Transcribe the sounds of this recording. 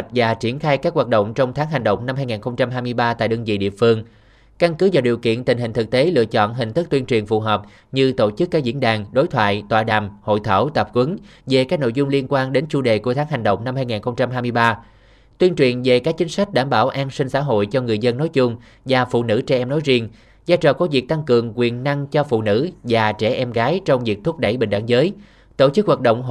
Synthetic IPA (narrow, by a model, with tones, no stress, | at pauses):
t̚vaː˨˩t͡ɕi˧˩ənxaː˧jkaː˦˥k̚waː˨˩t̚ɗə̰˧˨wŋ͡mt͡ɕɔ˧wŋ͡mt̪ʰaː˨˦ŋɦa˨˩jŋ̟ɗə̰˧˨wŋ͡mna˧mhaː˧jŋaː˨˩nxə˧wŋ͡mt͡ɕa˧mɦaː˧jmɨ˧əjɓaː˧t̪a̰ː˧˨jɗəː˧ŋzḭ˧˨˩ɗḭ˧˨əfɨ˧əŋ | ka˧nkɨ˨˦vaː˨˩ɗi˨˩əwkḭ˧˨ənt̪ï˨˩ŋ̟ɦï˨˩ŋ̟t̪ʰɨ˨˩k̚t̪e˨˦lɨ̰˧˨ət͡ɕɔ̰˧˨nɦï˨˩ŋ̟t̪ʰɨ˦˥t̪wi˧nt͡ɕwi˨˩ənfṵ˨˩ɦɔː˨˩p̚ | ɲɨ˧t̪o˧˩t͡ɕɨ˦˥kːaː˦˥k̚zḭ˧˥ənɗaː˨˩ŋɗo˨˦jt̪ʰwa̰ː˧˨jt̪wa̰ː˧˨˩ɗaː˨˩mho̰˧˨jt̪ʰə˧˩wt̪ə˨˩p̚kwə˨˦nve˨˩kaː˦˥k̚no̰˧˨jzʊ˧ŋ͡mli˧ənkwaː˧nɗe˨˦nt͡ɕu˧ɗe˨˩ku˧˩ət̪ʰaː˨˦ŋɦa˨˩jŋ̟ɗə̰˧˨wŋ͡mna˧mhaː˧jŋaː˨˩nxə˧wŋ͡mt͡ɕa˧mɦaː˧jmɨ˧əjɓaː˧ | t̪wi˧ənt͡ɕwḭ˨˩ənve˨˩kaː˦˥k̚t͡ɕï˨˦ŋ̟sa˦˥jk̟̚ɗaː˧˩mɓaː˧˩wʔaː˧nsï˧ŋ̟sa̰ː˧˥ɦo̰˧˨jt͡ɕɔ˧ŋɨ˨˩əjzə˧nːɔ˨˦jt͡ɕʊ˧ŋ͡m | vaː˨˩fṵ˧˨nɨ̰˧˥˩t͡ɕɛ˧ʔɛ˧mnɔ˨˦jzi˧əŋ | zaː˧jt͡ɕɔ̰˨˩kɔ˨˦vi˨˩ək̚t̪a˧ŋkɨ˨˩əŋkwi˨˩ənna˧ŋt͡ɕɔ˧fṵ˧˨nɨ̰˧˥vaː˨˩t͡ɕɛ˧˩ʔɛ˧mɣaː˨˦jt͡ɕɔ˧wŋ͡mvi˨˩ək̚t̪ʰu˦˥p̚ɗə˧˩jɓï˨˩ŋɗaː˧˩ŋzəː˨˦j | t̪o˧˩t͡ɕɨ˦˥k̚ɦwaː˨˩t̚ɗə̰˧˨wŋ͡m